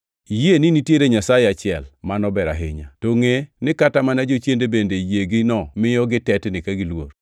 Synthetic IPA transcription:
jeninitjeɾeɲasajeat͡ʃɪɛlmanɔbɛɾa̰ɦɪ̰ɲa̰toŋenɪkatamanad͡ʒot͡ʃjendebendejeɡɪnɔmɪjɔɡɪtɛtnɪkaɡɪlwor

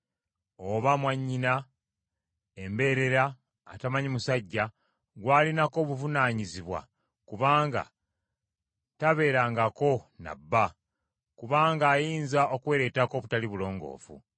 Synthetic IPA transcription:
oβamwaɲːina | embe̞ɾe̞ɾaː | tamaɲimusaɟːa | ɡwaːlinako̞ːβuvunaːɲiziβwa̰ | kuβaːŋɡa̰ | taβe̞ːɾaːŋɡako̞na̰bːa | kuβaːŋɡaːjiːnzaʔo̞kweːɾe̞tako̞ːβutaliβulo̞ːŋɡo̞̰ːfṵ

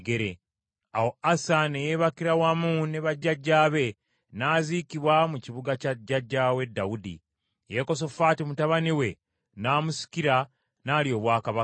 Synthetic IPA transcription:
ɡe̞ɾe | awo̞asanejeβakiɾawamune̞βaɟːaɟːaːβe̞ | naːzikiβwamuciβuɡacaɟaɟːawe̞dːaudḭ | je̞ko̞s̬o̞faːtimutaβaniwe̞ | naːmusi̥kiɾa | naːlio̞ːβwaːkaβa

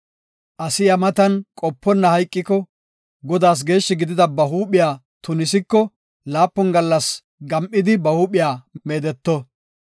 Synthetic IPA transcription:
ʔɐsɪjɐmɐt̪ɐnkʼɔpːɔnːɐhɐjkʼːɪkɔ | ɡɔd̪aːs̬ɡe̞ːʃːɪɡɪd̪ɪd̪ɐbɐɦuːpɪjaː | t̪ʊnɪs̬ɪkːɔ | laːpːɔnɡɐlːɐs | ɡɐmʔɪd̪ɪbɐhuːpɪjaːme̞ːd̪ɛt̪ːɔ

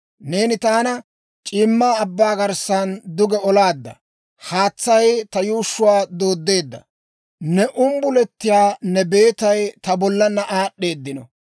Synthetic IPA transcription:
ne̞ːnɪt̪aːnɐ | t͡ʃʼɪːmːaːbːaːɡɐɾsand̪ʊɡɛɔlaːd̪ːɐ̰ | haːt͡sːɐjt̪ɐjuːʃːʊwaːd̪oːd̪ːe̞ːd̪ːɐ̰ | nɛʔʊmbʊlɛt̪ːɪjaːnɛbe̞ːt̪ɐjt̪ɐbɔlːɐnːɐʔaːɗːe̞ːd̪ːɪnɔ̰

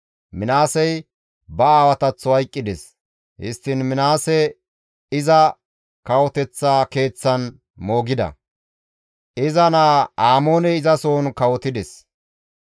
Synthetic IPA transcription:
mɪnaːsɛj | bɐaːwɐt̪ɐt͡sːɔɐjkʼːɪd̪ɛs | hɪ̰st̪ːɪnmɪnaːsɛ | ɪzɐ | kɐwɔt̪ɛt͡sːaːke̞ːt͡sːɐn | mo̞ːɡɪd̪ɐ̰ | ʔɪzɐnaːaːmo̞ːnɛɪzɐso̞ːnkɐwɔt̪ɪd̪ɛs

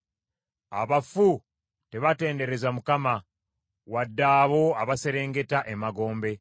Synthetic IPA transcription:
a̰βafu | te̞βate̞ːnde̞ɾe̞zamukama | wadːaːβo̞aβase̞ɾe̞ːŋɡe̞taʔe̞maɡo̞ːmbe̞

